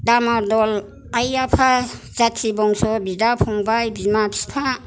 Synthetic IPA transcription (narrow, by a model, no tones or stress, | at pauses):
damadɔl | ajapʰazatʰːibɔŋsɔbidapʰɔŋbajbimapʰipʰa